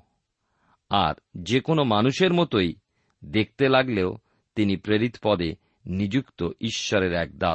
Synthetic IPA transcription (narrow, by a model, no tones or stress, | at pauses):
a̰ɾd͡ʑekonomanuʃeɾmɔt̪oj | d̪ek̚ʰt̪elaɡleo | t̪inipɾeɾit̪pɔd̪e | nid͡ʑukt̪oʔiʃːɔɾeɾɛk̚d̪a